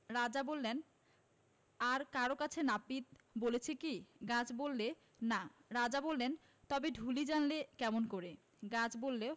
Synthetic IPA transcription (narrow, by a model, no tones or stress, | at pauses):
ɾad͡ʑabolːen | aɾkaɾokat͡ɕʰenapit̪̚bolet͡ɕʰekiɡãd͡ʑbolːe | naɾad͡ʑabolːen | t̪ɔbeɖʱulid͡ʑanlekɛmonkoɾe | ɡad͡ʑbolːe